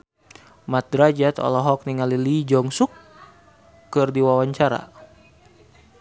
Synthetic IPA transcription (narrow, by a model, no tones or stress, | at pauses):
mat̪̚dɾad͡ʒat̪ɔ̰lɔɦɔk̚niŋalilid͡ʒɔŋsukː | ɨrdiwawaɲt͡ʃaɾa̰